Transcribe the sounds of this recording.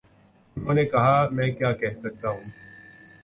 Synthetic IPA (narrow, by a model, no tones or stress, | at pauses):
ʊnɦõːnekɐɦamɛ̃ːkjaːkɛɦsɐk̚t̪aɦũː